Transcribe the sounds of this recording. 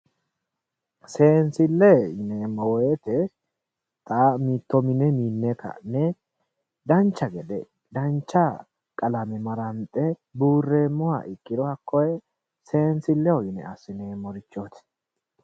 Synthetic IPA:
se̞ːnsɪlːɛɪnɛmɔwet̪ɛ | t̪ʼaːmiːt̪ːɔmɪnɛmiːnːɛkɐ̰nɛ | d̪ɐnt͡ʃːɐɡɛd̪ɛ̰ | d̪ɐnt͡ʃːa | kʼɐlɐmɛmɐɾɐnt̪ʼːɛbuːrːeːmːɔwa̰ʔɪkʼːɪd̪ɔɐkːɔjɛ | se̞ːnsɪlːɛwɔɪnɛ̰ɐsɪnɛmɔɾɪt͡ʃːoːt̪ɛ̥

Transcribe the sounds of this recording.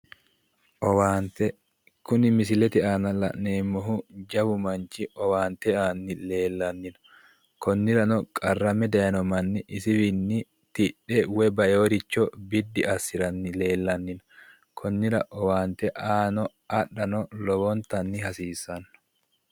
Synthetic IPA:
ʔɔwaːnt̪ɛ | kʊnɪmɪsɪlɛt̪ɪʔanɐlɐ̰ʔneːmːɔɦʊd͡ʒɐbʊmɐnt͡ʃɪʔɔwaːnt̪ɛaːnːɪle̞ːlːɐnːɪn | kɔnːɪɾɐnɔkʼɐrːɐmɛd̪ɐjɐnɔmɐnːɪʔɪsɪbɪnːɪ | t̪ɪᶑɛwɛbɐjoːɾɪt͡ʃːɔbɪd̪ːɪɐsːɪɾɐnːɪle̞ːlːɐnːɪn | kʰɔnːɪɾɐʔɔwaːnt̪ɛʔaːnɔ | ɐᶑɐnɔlɔbɔnt̪ɐnːɪhɐsiːsɐnː

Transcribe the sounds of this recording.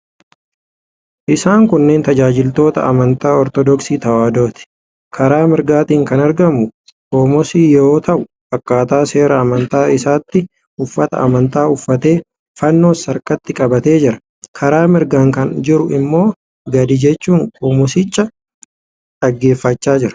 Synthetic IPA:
ʔɪsaːŋkʊnːe̞ːnt̪ɐd͡ʒaːd͡ʒɪlt̪o̞ːt̪ɐ̰ɐmɐnt̪aːɔɾt̪ɔd̪ɔksiːt̪ɐwaːd̪o̞ːt̪ɪ̥ | kʰɐɾaːmɪɾɡaːt̪iːŋkɐnɐɾɡɐmʊ | kʼoːmɔsiːjo̞ːt̪ɐʔʊ | bɐkːaːt̪aːse̞ːɾɐɐmɐnt̪aːɪsaːt̪ːɪ | ʊfːɐt̪ɐ̰ɐmɐnt̪aːʊfːɐt̪e̞ː | fɐnːo̞ːsɐɾkɐt̪ːɪkʼɐbɐt̪e̞ːd͡ʒɪɾɐ | kʰɐɾaːmɪɾɡaːŋkɐnd͡ʒɪɾʊɪmːo̞ː | ɡɐd̪id͡ʒɛt͡ʃːuːŋkʼoːmɔsɪt͡ʃʼːɐ | ᶑɐɡːe̞ːfːɐt͡ʃːaːd͡ʒɪɾɐ̥

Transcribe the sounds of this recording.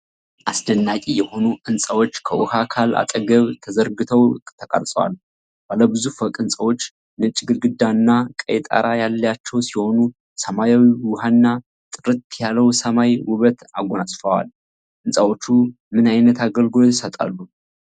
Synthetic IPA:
ʔasd̪ənːakʼijɛho̞nuʔɨnsʼəwo̞t͡ʃːkʰəwʊhakʰala̰t̪ʼəɡəβt̪ʰəzəɾɡɨt̪ʰəwɨkʼt̪ʰːəkʼə̰ɾsʼəwa̰l | b̥aləbɨzufəkʼɨnsʼəwo̞t͡ʃː | nɨt͡ʃʼɡɨlɡɨd̪ːanːakʼə̰jt̪ʼa̰ɾajalːjat͡ʃːɛwsiho̞nu | səmajawiwʊhanːa | t̪ʼɨɾɨt̪jalːəwsəmajwʊβət̪aɡʷonasʼfəwa̰l | ʔɨnsʼəwo̞t͡ʃːu | mɨnajnət̪aɡəlɡɨlojɛt̪ʰəsət̪ʼa̰lːu

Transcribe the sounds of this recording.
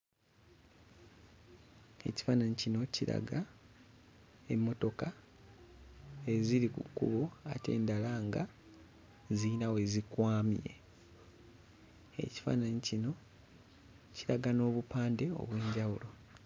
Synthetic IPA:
e̞ci̥faːnaɲecino̞ciɾa̰ɡa | e̞mːo̞to̞ka | eziɾikukːṵβoa̰te̞̰ːndalaŋɡa | zinawe̞zikwaːmje̞̰ | ḛci̥fa̰ːnaɲecino̞ | ciɾaɡano̞ːβupaːnde̞o̞̰βwe̞ːɲɟawulo̞

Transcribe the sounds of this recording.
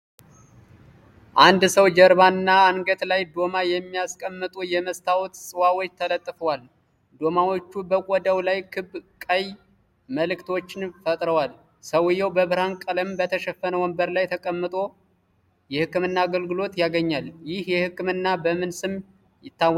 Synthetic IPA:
ʔand̪səwd͡ʒəɾbanɨnːaːnɡət̪lajd̪o̞majɛmːijaskʼəmːɨt̪ʼujɛməst̪ʰawt̪sʼɨwawot͡ʃːt̪ʰələt̪ʼːɨfəwal | d̪o̞mawo̞t͡ʃːubəkʷʼɔd̪əwlajkʰɨbkʼəj | məlɨkt̪ʰo̞t͡ʃːɪnfət̪ʼɾəwal | səwɨjːɛwbəβɨɾankʼələmbət̪ʰəʃɛfənəwɔmbəɾlajt̪ʰəkʼəmːɨt̪ʼo̞ | jɛhɨkːɨmɨnːaːɡəlɡɨlo̞t̪jaɡəɲːaljɪhjɛhɨkːɨmɨnːabəmɨnsɨmː | jɪt̪ːaw

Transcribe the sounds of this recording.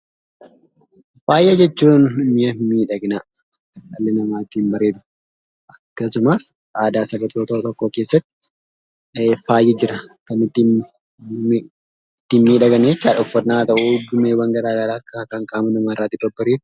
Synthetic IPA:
faːjʔɐd͡ʒɛt͡ʃːuːnmɪjɐmiːᶑɐɡɪna | kɐlːɪnɐmaːt̪iːmbɐɾe̞ːd̪ʊ̥ | ʔɐkːɐsʊmɐs | ʔaːd̪aːsɐbɐt̪oːt̪oːt̪ɔkːoːke̞ːsːɐt̪ːɪ̥ | faːjːɪd͡ʒɪɾɐkɐnɪt̪ːi | t̪ːiːnmiːᶑɐɡɐnet͡ʃːaːᶑɔfːɐɾnaːt̪ɐʔʊdʊmeːwɐŋɡɐɾaːɡɐɾaːkːɐkɐŋkʼaːmɐnɐmaːrːaːt̪ːɪbɐbɐɾeːd̪ʊ̥

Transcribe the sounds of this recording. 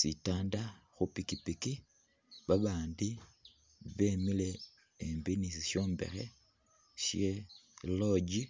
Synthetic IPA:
sitaːndaxupikipiki | βaβaːndi | βeːmile̞ː | mbinisiʃo̞ːmbḛɾe | ʃjeloɟi

